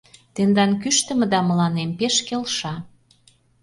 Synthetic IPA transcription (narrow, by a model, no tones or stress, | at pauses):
t̪end̪ɑnkyʃt̪ə̆mə̆d̪ɑmə̆lɑnempeʃkelʃɑ